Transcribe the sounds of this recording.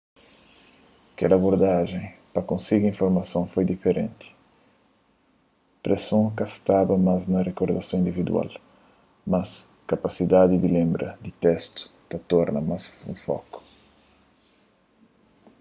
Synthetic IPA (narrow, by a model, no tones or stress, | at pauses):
kɛ̰laboɾd̪aʒẽj̃pɐkõsiɡiĩɱfoɾmɐsõwfojd̪ifeɾḛ̃nt̪i̥ | pɾesõwkast̪abɐmaznɐrekoɾd̪asõĩnd̪ivid̪ṵa̰l | mɐs | kapasid̪ad̪id̪ilẽmbɾɐ̰d̪it̪ɛst̪ʊ̥t̪ɐt̪ɔɾnɐmasṵ̃fɔ̰kʊ̥